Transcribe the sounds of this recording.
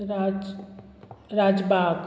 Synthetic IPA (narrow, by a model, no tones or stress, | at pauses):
ɾad͡ʒ | ɾad͡ʒbak